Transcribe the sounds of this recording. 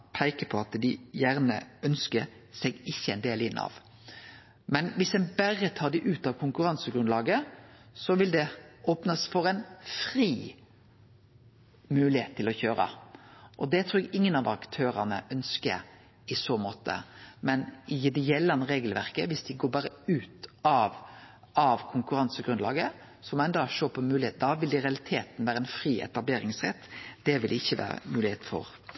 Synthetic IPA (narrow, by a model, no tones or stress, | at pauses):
pʰæɪkəpʰɔɑt̪d̪ɪjæʁnə̰œnskəɾ | sɛɡɪçːəæɛɪnd̪eːlɪnːɑ̰ʋ | mɛnʋɪsɛnbæʁət̪ʰɑːd̪ɪʔʉːt̪ɑʋkʰʊŋkʉʁɑnsəɡɾʉnlɑːɡəsɔʋɪld̪ɛoːpnəsfɔɾɛɪnfɾiː | mʉːlɪheːt̪ʰːɪlɔçøːɾə̰ʔɔd̪ɛt̪ʰɾuːɾɛɡɪŋːənɑʋɑkt̪ʰøːɾɑnəʔœnskə̰ɾ | ɪsoːmoːt̪ə̰mɛnɪjɪd̪ɛjɛlːɑnəʁeːɡəlʋæɾkəʋɪsd̪ɪɡoːɾbɑːɾəʉːt̪ɑʋ | ɑʋkʰʊŋkʉɾɑnsəɡɾʉnlɑ̰ːɡə | sɔmɔɛnd̪ɑʃoːpʰɔmʉːɪheːt̪d̪ɑʋɪld̪ɪɾɛɑlɪt̪ʰeːt̪n̩ʋæːɾəɛnfɾiːʔɛ̰t̪ɑbleːɾɪŋsʁɛ̰t̪ːd̪̥ɛʋɪld̪ɪɪçːəʋæ̰ːɾə̰mʉːlɪheːt̪fɔ̰ɾ